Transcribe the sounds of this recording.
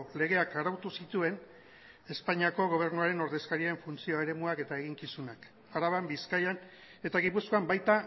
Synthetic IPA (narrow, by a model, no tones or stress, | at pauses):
le̞ɣ̞e̞akaɾawt̪usit̪ue̞n | e̞spaɲiako̞ɣ̞o̞β̞e̞ɾnuaɾe̞no̞ɾðe̞skaɾiae̞ɱfunt͡sio̞e̞ɾe̞muake̞t̪ae̞ɣ̞iŋkisunak | aɾaβ̞ambiskajan | e̞t̪aɣipusko̞ambajt̪a